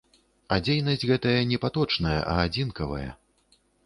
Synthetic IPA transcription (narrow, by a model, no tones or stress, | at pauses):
ad͡zʲejnɐsʲd͡zʲɣɛt̪ɐjɐnʲɛpat̪ɔt͡ʂnɐjɐ̰ʔɐad͡zʲinkɐvɐ̰jɐ̰